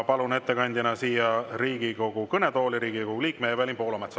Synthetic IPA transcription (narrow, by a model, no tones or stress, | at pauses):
pɑlune̞t̪ːe̞kɑnʲd̪̥ʲɑnɑsiːjɑriːɡ̥iko̞ɡ̥ukɤne̞t̪o̞ːliɾiːɡ̥ikoɡuliːkːˑmeevælʲimpo̞ːlɑmet̪sɑ